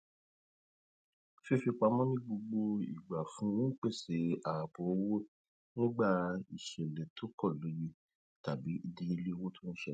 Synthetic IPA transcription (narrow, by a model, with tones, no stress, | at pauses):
fi˧fi˧k͡pa˧mɔ̃˦nĩ˦ɡ͡bo˧ɡ͡bo˧ḭ˨ɡ͡ba˨fũ˨˦w̩̃˦k͡pe˦˨se˨˦a˨po˨˦wo˦ | nĩ˦ɡ͡ba˦˨i˨ʃɛ˨lɛ˨tʰo˨˦kɔ˦˨lo˨˦ji˦ | ta˨bi˨˦i˦˧dĩ˧˦i˧le˦˧wo˦tʰo˦ñ̩˦ʃɛ˦